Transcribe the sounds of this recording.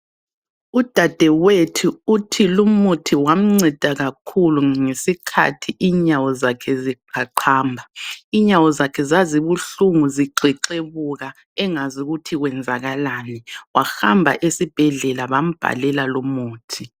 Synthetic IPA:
ud̥ʱad̥ʱɛwetʰuutʰilumutʰiwam̩ŋ͡ǀɛd̥ʱaɣakʰuluŋesikʰa̰tʰiʔiɲawɔzakʰɛzi̥aǃʰaːmbʱaiɲawɔzakʰɛzaziβuɬuŋuziǃiǃeβuɣa | ɛŋazuɣutʰiɣwɛnd͡zʱaɣalaniwaxambʱa̰ʔesib̥ʱɛɮɛlaβam̩b̥ʱa̰lɛlalumuːtʰi

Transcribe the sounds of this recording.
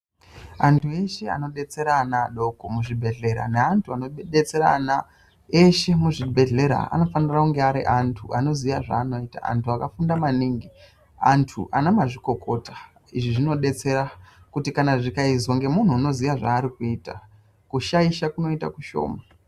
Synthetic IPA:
antʰue̞ʃe̞a̰no̞ɗe̞t͡se̞ɾaːnaːɗo̞komuʐibʱe̞ɮe̞ɾa̰neantʰuanoɗe̞t͡se̞ɾa̰na | eʃe̞muʐibʱe̞ɮe̞ɾa̰a̰no̞fanirakuŋɡeaɾiʔantʰuʔano̞zijaʐa̰ːno̞ita̰a̰ntʰuakafundamaniŋɡi | antʰṵʔa̰namaʐiko̞kʰo̞tʰḁ | iʐiʐino̞ɗe̞t͡se̞ɾa | kutikanaʐikaizo̞ŋɡe̞mun̤uːno̞ziʋaʐa̰ːɾikuiːta̰ | kuʃaiʃakuno̞ita̰kuʃo̞̰ːma

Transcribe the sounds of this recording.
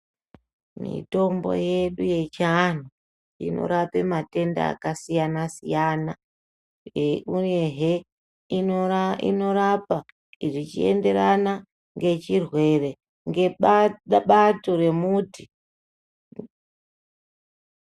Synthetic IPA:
mḭto̞mbo̞̰jeɗuje̞t͡ʃan̤u | ḭno̰ɾape̞mate̞nda̰ːkasijanasijaːna | euneɦe | iḭnorapa | iʐit͡ʃie̞̰nde̞ɾana | ŋɡe̞t͡ʃirwe̞re̞ | ŋɡe | ɓatoɾe̞muːti

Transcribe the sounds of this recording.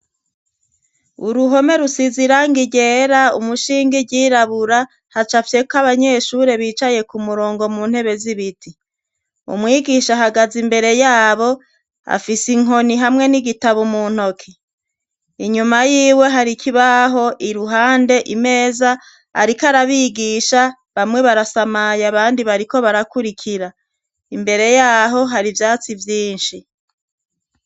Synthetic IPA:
uɾuɦo̞me̞ɾusiziɾaŋɡiɟe̞ːɾaṵmuʃiːŋɡiɟiːɾaβuɾa | hat͡ʃafje̞kaβaɲe̞ːʃuɾe̞βiːt͡ʃaje̞kumuɾoːŋɡo̞muːn̥he̞βe̞ziβitʰi | ṵmŋiːɡiʃaɦaɡazimbe̞ɾe̞jaːβo̞ | a̰fisiŋo̞niɦamŋe̞niɡitaβumuːn̥ho̞kʰi | iɲumajiːwe̞ɦaɾikʰiβaɦo̞ʔiɾuɦaːnde̞ʔime̞ːza | a̰ɾikaɾaβiːɡiʃa | βamŋe̞βaɾasamajaβaːndiβaɾiko̞βaɾakuɾikʰiɾa | imbe̞ɾe̞jaːɦo̞ɦaɾivjaːt͡sivjiːnʃi

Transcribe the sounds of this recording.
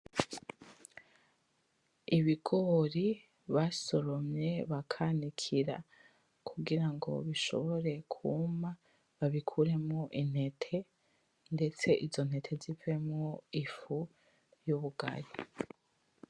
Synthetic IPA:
iβiɡoɾi | βaso̞ɾo̞mɲe̞βakʰanikʰiɾa̰ | kʰuɡiɾaŋɡo̞̰βiʃo̞̰βo̞ɾe̞kʰuma | βaβikʰuɾe̞mŋoʔin̥he̞tʰe̞ | nde̞t͡se̞ʔizo̞n̥he̞tʰe̞zive̞mŋoifu | juβuɡa̰ɾi

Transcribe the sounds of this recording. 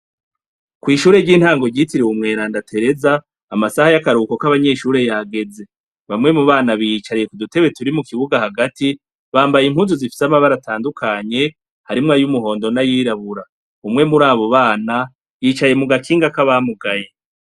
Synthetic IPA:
kwiːʃuːɾe̞ɟiːn̥haːŋɡo̞ɾɟitiɾiwumŋe̞ːɾaːndatʰe̞ɾe̞zaː | masahajakaɾuːko̞kaβaɲe̞ːʃuːɾe̞jaːɡe̞ze̞ | βamŋe̞muβaːnaβijit͡ʃaɾije̞kudute̞βwe̞tuɾimukiβuɡahaɡati | βaːmbajim̥huːnzuzifi̥samaβaɾatʰaːndukʰaːɲe̞ | haɾimŋajumuɦo̞ːndo̞najiːɾaβuɾa | umŋe̞muɾaːβo̞βaːna | jiːt͡ʃaje̞muɡakiːŋɡakaβamuɡaje̞

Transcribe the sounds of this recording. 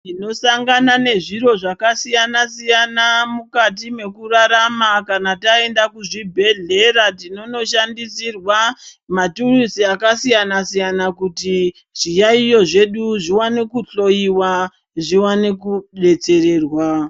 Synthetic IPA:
tino̞saŋɡanane̞ʐiɾo̞ʐakasijanasijanamukat̬ime̞kuraɾamakanatae̞ndakuʐibʱe̞ɮe̞ɾatino̞no̞ʃandisirwamaturisiakasijanasijanakuti | ʐ̥ijaijo̞ʐe̞ɗuʐiwane̞kuɬo̞iwa | ʐiwanekuɗe̞t͡se̞re̞ːrwa

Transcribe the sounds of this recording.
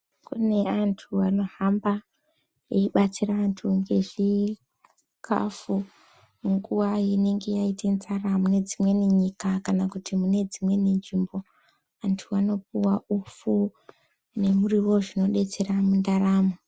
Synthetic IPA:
kṵne̞antʰuano̞ɦamba | eiɓat͡siraːntʰuŋɡe̞ʐi | kʰa̰fu | ŋɡuʋajine̞ŋɡe̞jaitend͡zaramune̞d͡zimwe̞niɲikakanakutimune̞d͡zimwe̞niniːmbo̞ | antʰuano̞p̚uwaufu | ne̞muriwo̞ʐino̞ɗe̞t͡se̞ɾamundaraːmo

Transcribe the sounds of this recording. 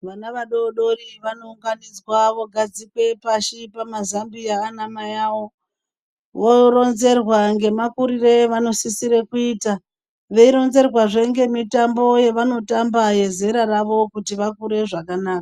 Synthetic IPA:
ʋanaʋaɗo̞ɗo̞riʋano̞uŋɡanid͡zwaʋo̞ɡʱad͡zikwe̞paʃipamazambijaːnamajawo̞ | ʋoro̞nze̞rwaŋɡe̞makuɾire̞ʋano̞sisiɾekuiːta | ʋe̞iɾo̞nze̞rwaʐe̞ŋɡe̞mitambo̞je̞ʋano̞tambaje̞ze̞ɾaraʋo̞kutiʋakuɾe̞ʐakanaːka

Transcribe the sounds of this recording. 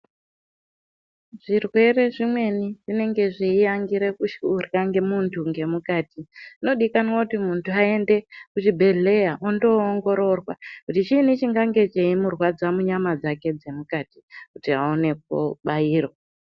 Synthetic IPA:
ʐ̥irwe̞re̞ʐimwe̞niʐine̞ŋɡe̞ʐeijaŋɡiɾekuʃurkaŋɡe̞muntʰuŋɡe̞mukaːtiino̞ɗikanwakutimuntʰuae̞nde̞kut͡ʃibʱe̞ɮe̞jaʔondo̞ːŋɡo̞ɾo̞rwakutit͡ʃinit͡ʃiŋɡaŋɡe̞t͡ʃeimurwad͡zamuɲamad͡zake̞d͡ze̞mukati̥kutiaone̞k̚oɓaiːro

